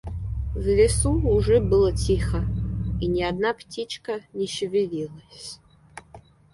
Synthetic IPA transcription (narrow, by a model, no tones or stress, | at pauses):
vlʲɪsuːʐɛbɨlˠətʰʲixəinʲɪad̪naptʰʲit͡ʃkənʲɛʃɪvʲɪvʲilˠəsʲ